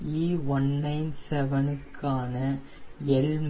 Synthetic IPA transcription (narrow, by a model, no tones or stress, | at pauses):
iːʋɐnːɐɪnsɛʋɐnɯkʰːaːnɐ | ɛlm